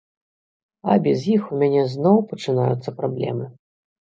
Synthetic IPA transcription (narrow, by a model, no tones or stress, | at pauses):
ɐ̰bʲɛzjixumʲanʲɛznɔwpɐt͡ʂɨnajut̪sːɐpɾablʲɛ̰mɨ